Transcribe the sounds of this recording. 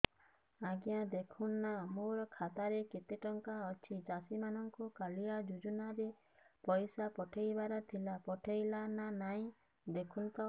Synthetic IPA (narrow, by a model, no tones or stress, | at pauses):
aɡjad̪ekʰunːamoɾɔkʰat̪aɾeket̪eʈɔŋkaɔt͡ʃʰid͡ʒasimanɔŋkukaliad͡ʒud͡ʒunaɾe | pɔjsapɔʈʰejbaɾɔt̪ʰilapɔʈʰejlananaĩ | d̪ekʰunt̪ɔ